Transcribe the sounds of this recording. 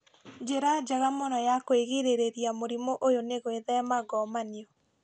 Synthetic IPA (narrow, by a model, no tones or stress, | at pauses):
d͡ʒeɾad͡ʒaɣamɔnɔjakoeɣeɾeɾeɾjamoɾimoʔojoneɣweðɛmaɡɔmaniɔ